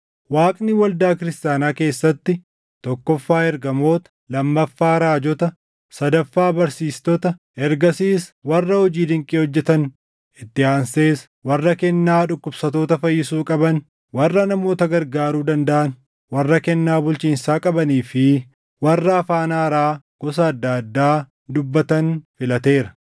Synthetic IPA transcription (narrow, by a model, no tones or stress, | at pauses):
waːkʼniwɐld̪aːkɪɾɪst̪jaːnaːke̞ːsːɐt̪ːɪ | t̪ɔkːɔfːaːɛɾɡɐmo̞ːt̪ɐ̥ | lɐmːɐfːaːɾaːd͡ʒɔt̪ɐ | sɐd̪ɐfːaːbɐɾsiːst̪ɔt̪ɐ | ɛɾɡɐsiːswɐrːɐhɔd͡ʒiːd̪ɪŋkʼiːhɔd͡ʒːɛt̪ɐn | ɪt̪ːɪhaːnse̞ːs | wɐrːɐkɛnːaːᶑʊkːʊbsɐt̪o̞ːt̪ɐfɐjːɪsuːkʼɐbɐn | wɐrːɐnɐmo̞ːt̪ɐɡɐɾɡaːɾuːd̪ɐnd̪ɐʔɐn | wɐrːɐkɛnːaːbʊlt͡ʃiːnsaːkʼɐbɐniːfɪ | wɐrːɐːfaːnaːɾaː | ɡ̥ɔs̬ɐːd̪ːɐd̪ːaː | d̪ʊbːɐt̪ɐnfɪlɐt̪e̞ːɾɐ̥